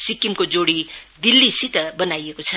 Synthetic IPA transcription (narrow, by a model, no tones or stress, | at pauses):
sikimkod͡zoɽid̪ilːisit̪ʌbʌnajekot͡sʰʌ